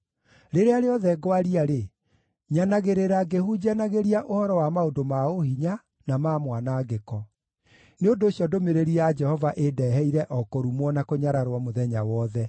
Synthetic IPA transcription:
ɾeɾeaɾeɔðɛɡwaɾiaɾe | ɲanaɣeɾeɾaɡehud͡ʑanaɣeɾiaʔohɔɾɔwamaodomaohiɲa | namaːmwanaːɡekɔ | neondoːsjɔdomeɾeɾiad͡ʒɛhɔvaʔedɛɦɛiɾɛʔɔkɔɾumwɔnakoɲaɾaɾwamoðɛɲawɔðɛ

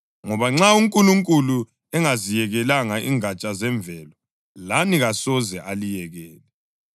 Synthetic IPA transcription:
ŋɔβaŋ͡ǁauŋkʼuluŋkʼulu | ɛŋazijɛɣɛlaŋaʔḭŋat͡ʃʼazɛɱb̪vɛlɔ | laniɣasɔzɛʔalijɛɣɛːlɛ

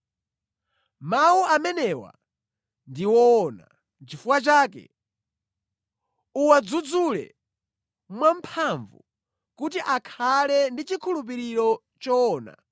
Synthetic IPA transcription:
mawuamɛnɛwa̰ | ndiwɔːna̰ | nt͡ʃifuwat͡ʃaːk̬ɛ̰ | uwad͡zud͡zulɛ̰ | mwampʰaɱvu | kut̬iʔakʰalɛndit͡ʃikʰulup̬iɾiɾɔ | t͡ʃɔːna̰

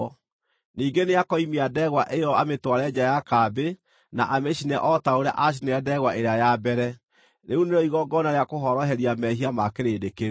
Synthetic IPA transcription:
niːŋɡeneakɔimiadɛɣwaʔejɔametwaɾɛd͡ʑajakabe | naʔameɕinɛʔɔtaoɾja̰ʔaɕ̬ineadɛɣwaʔeɾeajabɛɾɛ | neuneɾɔiɣɔɡɔnaɾeakoɦɔɾɔɦɛɾiamɛhiamakeɾeːdeke

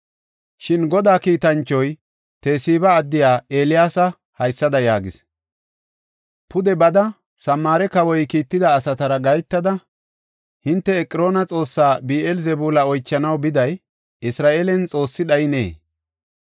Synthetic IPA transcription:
ʃɪnɡɔd̪aːkiːt̪ɐnt͡ʃːɔj | t̪eːsiːbɐːd̪ːɪjaːeːlɪjaːsɐ | hɐjsːɐd̪ɐjaːɡɪs | pʊd̪ɛbɐd̪ɐ | sɐmːaːɾɛkɐwɔjkiːt̪ːɪd̪ɐːsɐt̪ɐɾɐɡɐjt̪ːɐd̪ɐ | hɪnt̪ːɛɛkʼːɪɾo̞ːnɐt͡sʼo̞ːsːaːbiːʔɛlzɛbuːlɐɔjt͡ʃːɐnɐwbɪd̪ɐj | ɪsɾaːʔeːlɛnt͡sʼo̞ːsːɪɗɐjɪnḛː

